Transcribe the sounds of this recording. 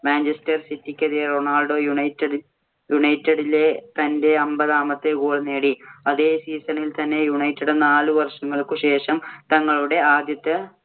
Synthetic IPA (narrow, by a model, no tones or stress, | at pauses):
maːnd͡ʑɐstɐrsitːikʲːɐðijɐronaːlɖo̞ːjuɳɐjtːɐɽi | juɳɐjtːɐɽile̞t̪ɐnde̞ɐmbɐðaːmɐt̪ːekuːɽuneːɽiɐðeːsiːsɐnilt̪ɐnːe̞juɳɐjtːɐɽɨnaːluʋɐrʂɐŋːɐɭkɨɕe̞ːʂɐmt̪ɐŋːɐɭuɽe̞aːd̪jɐt̪ːɐ